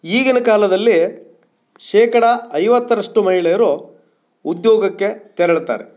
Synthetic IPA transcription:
iːɡinɐkaːlɐd̪ɐlːi | ʃɛːkɐɽɐɐjʋɐt̪ːɐɾɐʂʈumɐɦiɭejɐɾu | ud̪joːɡɐkːe̞t̪ɛɾɐɭt̪a̰ːɾe

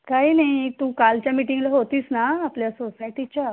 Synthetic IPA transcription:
kaɦinaɦit̪ũːkalt͡ɕjamiʈiŋɡlaɦot̪iːsnaːpljasosajʈit͡ɕja

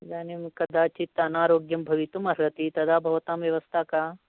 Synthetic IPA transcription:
d͡ʒaːnimkɐd̪aːt͡ʃit̪ɐɐnaːɾoːɡjɐmbʱɐʋit̪umɐɾɐt̪it̪ɐd̪aːbʱɐʋɐt̪aːmʋjɐʋɐst̪ʰaːkaː

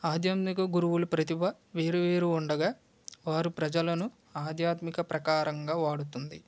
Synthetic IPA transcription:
aːd̪ʱjaːt̪mikɐɡuɾuʋulupɾɐt̪ibɐ | ʋeːɾuʋeːɾuːɳɖɐɡaː | ʋaːɾupɾɐd͡ʒɐlɐnu | aːd̪jaːt̪mikɐpɾɐkaːɾɐŋɡaːʋaːɽut̪und̪i

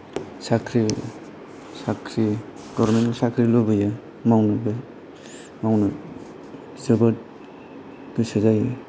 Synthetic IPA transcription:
sakʰɾi | sakʰɾi | ɡ̥ɔɾmensakʰɾilɔbaja | mawnabe | mawna | zabat̚ | ɡ̥ɯsezaja

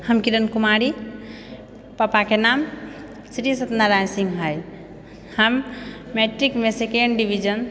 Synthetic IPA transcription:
həmkiɾənkumaɾi | pəpakenam | sɾisət̪naɾajsiŋɡɦəj | həmːeʈɾikmesekeɳɖɖiʋʱid͡ʒən

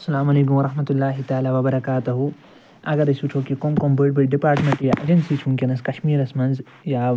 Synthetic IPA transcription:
ɐsːɐlaːmɐleːk̬umʋɐɾˤɐhmɐt̪ulːaːɦit̪aːlaːʋɐbɐɾɐkaːt̪uɦu | ɐɡɐɾɐsuʈʰoːkikomkombɐɖbəɖipaːɾʈmẽɳʈjaːʔɐ̰d͡ʒɐnsit͡ʃʰũŋkʲenɐskɐʃmiːɾɐsmɐnz | jaː

